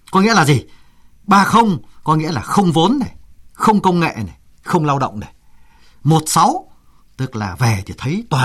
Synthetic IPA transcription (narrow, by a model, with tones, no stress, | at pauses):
kɔ˨˦ŋḭ˧˥əlaː˨˩zi˨˩ | ɓaː˧xə˧wŋ͡mkɔ˨˦ŋḭ˧˥əlaː˨˩xə˧wŋ͡mvo˨˦nːa˨˩jxə˧wŋ͡mkə˧wŋ͡mŋḛ˧˨na˨˩j | xə˧wŋ͡mlaː˧wɗə̰˧˨wŋ͡mna˨˩j | mo˨˩t̚sa˨˦w | t̪ɨ˦˥k̚laː˨˩ve˨˩t̪ʰi˨˩t̪ʰə˨˦jt̪waː˨